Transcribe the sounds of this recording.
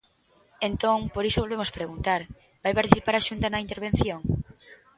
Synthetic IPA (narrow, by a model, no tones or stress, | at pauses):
ent̪oŋpoɾisoβolβemospɾeɣunt̪aɾ | b̥ajpaɾt̪iθipaɾaʃunt̪anɐint̪eɾβ̞ẽn̟θjoŋ